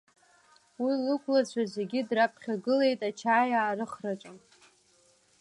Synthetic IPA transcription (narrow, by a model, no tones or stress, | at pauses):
wilɨkʷlat͡ɕʷʰazʷe̞ɡʲɪdrapʰχʲaɡɨle̞jtʼat͡ʃʰaːjaːɾɨχrat͡ʃʷʼam